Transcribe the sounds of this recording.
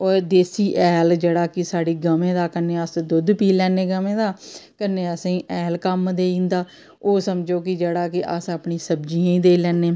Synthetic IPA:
ɔːɾd̪eːsiːʔɛːld͡ʒeːɽaːkɪsaːɽiːɡəmẽːd̪aːkəneːəsd̪ʊd̪piːlɛːneːɡəmẽːd̪aːkəneːəsẽːʔɛːlkəmd̪eːĩːnd̪aː | oːsəmd͡ʒoːkɪd͡ʒeːɽaːkɪʔə̰səpɳĩːsəbd͡ʒiːãːĩːd̪eːlɛːneː

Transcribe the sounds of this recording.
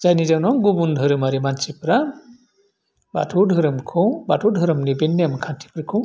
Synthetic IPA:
zajnid͡ʒawnɔɡubundʱɯɾɯmaɾimant͡ʃipɾa | ba̰tʰudʱɯɾɯmkʰɯwbatʰudʱɯɾɯmlibenːamkʰantʰi̥pɾɯkʰɯ̃w

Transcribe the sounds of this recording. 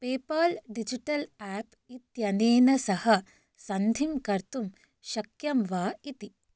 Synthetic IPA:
peːpɐlɖid͡ʒiʈɐlaːp | it̪jɐneːnɐsɐhɐ | sɐnd̪ʱimkɐɾt̪um | ʃɐkjɐmʋaːit̪i

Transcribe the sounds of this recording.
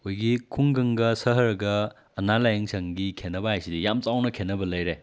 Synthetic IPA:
hojɡikʰuŋɡɐŋɡɐsɐɦɐɾɐɡɐː | nalajɐŋsʰɐŋɡikʰenɐbɐajsidijamt͡ʃawnɐkʰenːɐbɐlɐjɾe

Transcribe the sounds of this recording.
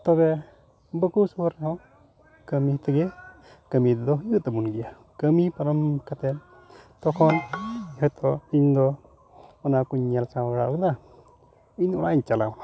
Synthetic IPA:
t̪ɔβɛ | bəkusuəɾɦɔ | kəmit̪ɛɡɛ | kəmid̪ɔɦiət̪ɛbunɡija | kəmipaɾɔmkat̪ɛn | t̪ɔkʰɔnhɔt̪ʰɔiɲd̪ɔ | ɔnakuɲalsawaɡɽaʔɔkd̪a | iɲɔɽaiɲt͡ʃala̰m

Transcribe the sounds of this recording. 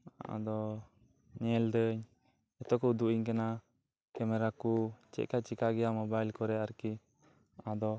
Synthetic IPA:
a̰d̪ɔ | ɲɛld̪əɲ | ɛt̪ɔkɔd̪uiɲkana | kɛmɛɾakut͡ʃɛ̰ʔ̚kat͡ʃikaɡɛjamɔbajlkɔɾɛaɾki | ad̪ɔ

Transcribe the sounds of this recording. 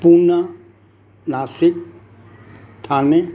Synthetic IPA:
punə | naːsɪk̚ | t̪ʰaːne

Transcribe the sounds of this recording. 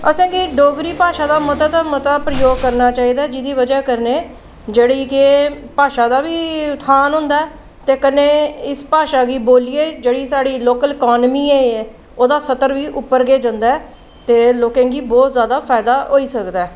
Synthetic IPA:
əsẽːɡiːɖoːɡɾiːpaːʃaːd̪aːməd̪ət̪ːmət̪aːpɾəjoːɡ̚kəɾnaːt͡ʃaːiːd̪aɛːd͡ʒɪd̪iːʋəd͡ʒaːkəɾneː | d͡ʒeːɽiːkepaːʃaːd̪aːʋiːt̪ʰaːnɦʊ̃nd̪aːɛ | t̪eːkəneːɪspaːʃaːɡiːboːlieːd͡ʒeːɽiːsaːɽiːloːkəlɛkɔːnmiːeːɛː | oːd̪aːsət̪əɾʋiːʔʊpːəɾɡeːd͡ʒə̃nd̪aːɛː | t̪eːloːkẽːɡiːbɔːt̪zjaːd̪aːfʰaːɪd̪aːɦoːiːsəkd̪aːɛː

